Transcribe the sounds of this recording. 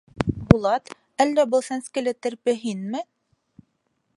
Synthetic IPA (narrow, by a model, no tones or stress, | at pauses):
bulˠɑt̪ | ælːæbɤ̆lˠsænskɘ̆læt̪ɘ̆ɾpɘ̆ɦinmɘ